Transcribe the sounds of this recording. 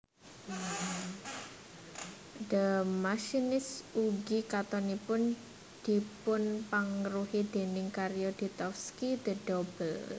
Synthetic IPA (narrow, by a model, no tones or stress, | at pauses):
d̪əmaʃinɪsuɡikat̪ɔnipʊn | d̪̥i̤pʊnpaŋəɾuhid̪̥e̤nɪŋkaɾijod̪̥i̤t̪ɔfskid̪əɖ̥ɔbəl